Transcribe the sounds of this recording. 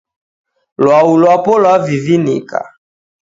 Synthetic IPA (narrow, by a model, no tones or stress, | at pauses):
lwaulwapɔlwavivinḭka̰